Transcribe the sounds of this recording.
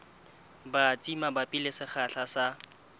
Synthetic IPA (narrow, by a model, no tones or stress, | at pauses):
bat͡sʼimabapʼilesɪχʰaɬasa